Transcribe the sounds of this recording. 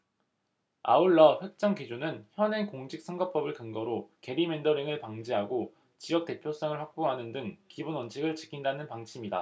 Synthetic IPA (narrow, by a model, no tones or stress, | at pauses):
a̰uɭːʌɸwe̞k̚t͡ɕ͈ʌŋkid͡ʑunɯnçjʌne̞koŋd͡ʑʰik̚s͈ʰʌŋɡʌp͈ʌbɯɭkɯŋɡʌɾoke̞ɾime̞ndʌɾiŋɯɭpaŋd͡ʑiɦaɡo | t͡ɕijʌk̚t͈e̞pʰjos͈ʌŋɯɭɸwak̚p͈oɦanɯndɯŋkibunwʌnt͡ɕʰiɡɯɭt͡ɕi̥kʰindanɯnpaŋt͡ɕʰimɲida̰